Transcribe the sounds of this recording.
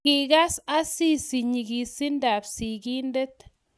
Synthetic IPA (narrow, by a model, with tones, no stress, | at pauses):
i˨ka˦sa˦si˦si˨ɲi˨ɡi˨si˦nda˨psi˨ki˦nde˦t̪